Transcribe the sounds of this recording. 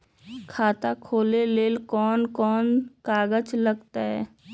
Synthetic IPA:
kʰaːt̪akʰoːleleːlkɔːnkɔːnkaːɡət͡ʃləɡt̪aɦɛː

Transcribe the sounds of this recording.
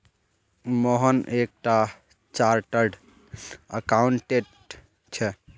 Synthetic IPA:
moɦənek̚ʈa | t͡ʃaɾʈəɾɖ | əkauɳʈeʈ | t͡ʃʰɛ

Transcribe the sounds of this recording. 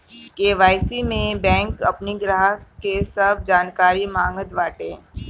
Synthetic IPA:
keʋaːɪsimẽbɛ̃ːŋkɐpniɡɾaːɦkesɐb̚d͡ʒaːnkaːɾimãːŋɡət̪ʋaːʈẽː

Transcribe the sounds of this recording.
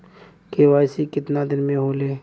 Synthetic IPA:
keʋaːjsikɪt̪nad̪ɪnmẽɦoːleː

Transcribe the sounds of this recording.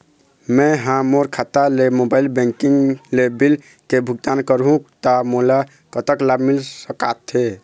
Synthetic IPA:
mɛ̃ɦãmoɾkʰat̪alemobailbɛ̃ŋkiŋɡlebil | kebʱuɡ̚t̪ankəɾɦũkt̪amola | kət̪əklabʱmilsəka̰t̪ʰe

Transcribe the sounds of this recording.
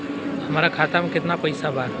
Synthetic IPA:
həmaɾakʰaːt̪amẽkɪt̪napəjsabʱaː

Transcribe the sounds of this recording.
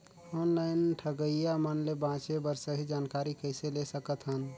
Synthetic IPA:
onlaɪnʈʰəɡəjamənlebãt͡ʃebəɾsəɦid͡ʒankaɾikəɪselesəkət̪ɦən

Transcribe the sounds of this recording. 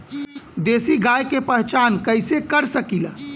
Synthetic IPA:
d̪esiɡajkepəɦt͡ʃankəjsekəɾsəkilə

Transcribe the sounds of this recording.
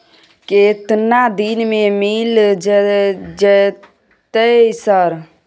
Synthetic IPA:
ket̪nad̪inmẽmild͡ʒd͡ʒe | t̪esəɾ

